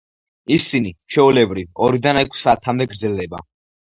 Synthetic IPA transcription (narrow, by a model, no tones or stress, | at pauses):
isinit͡ʃʰwɛulɛbɾivɔɾid̪anɛkʰsaːt̪ʰamd̪ɛɡɾd̪zɛlˠd̪ɛba